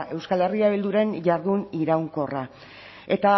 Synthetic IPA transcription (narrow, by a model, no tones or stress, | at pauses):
ʔe̞wskale̞riaβild̪uɾe̞nʝaɾðuniɾawŋko̞ra | e̞t̪a